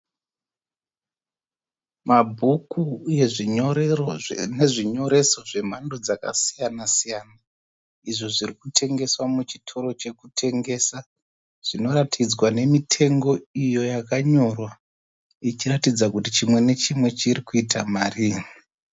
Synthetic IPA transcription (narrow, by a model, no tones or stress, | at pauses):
mabʱukuje̞ʐioeone̞ʐiɲo̞ɾe̞so̞ʐe̞m̤ando̞d͡zaka̰sijanasijaːna | iʐoʐirikutʰe̞ŋɡe̞swamut͡ʃi̥tʰo̞ɾo̞t͡ʃe̞kutʰe̞ŋɡe̞ːsa | ʐ̥ino̞ɾatʰid͡zwane̞mitʰe̞ŋɡo̞ijo̞jakaɲo̞rwa | it͡ʃiratid͡zakutit͡ʃimwe̞ne̞t͡ʃimwe̞t͡ʃirikuitʰamaːri